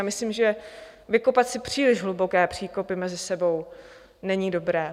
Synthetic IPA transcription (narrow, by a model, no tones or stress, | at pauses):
amɪslimʒɛ | vɪko̞pat̪sɪpr̝̥iːlɪʒɦlubo̞kɛːpr̥iːko̞pɪmɛzɪsɛbo̞w | nɛɲiːdo̞bɾɛː